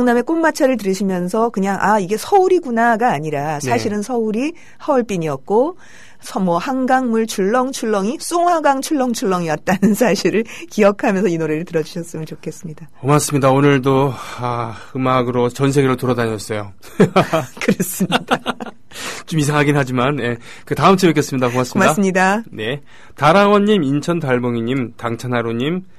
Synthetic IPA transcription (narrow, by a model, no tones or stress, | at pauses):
ŋname̞k͈onmat͡ɕʰaɾɯɭt̬ɯɾɯɕʰimjʌnsʰʌkɯɲaŋʔaiɡe̞sʰʌuɾiɡunaɡaːɲiɾasʰaɕʰiɾɯnsʰʌuɾi | hʌuɭp͈iɲiʌt̚k͈o | sʰʌmwʌhaŋɡaŋmuɭt͡ɕʰuɭːʌŋt͡ɕʰuɭːʌŋis͈uŋɦwaɡaŋt͡ɕʰuɭːʌŋt͡ɕʰuɭːʌŋiʌt̚t͈anɯnsʰaɕʰiɾɯɭkijʌkʰamjʌnsʰʌinoɾe̞ɾɯɭtɯɾʌd͡ʑuɕʰʌs͈ɯmɯnt͡ɕokʰe̞s͈ɯmɲidaomas͈ɯmɲidaonɯɭdoahɯmaɡɯɾot͡ɕʌns̬ʰe̞ɡeɾɯɭtoɾʌdaɲʌs͈ʌjo | kɯɾʌs͈ɯmɲid̥a | t͡ɕomisʰaŋɦaɡinɦad͡ʑimanje̞ | kɯtaɯmt͡ɕʰebɯk͈ʰes͈ɯmɲidakomas͈momimaas͈ɯmɲidane̞ | taɾawʌɲːimint͡ɕʰʌntaɭboŋiɲimtaŋt͡ɕʰanaɾoɲim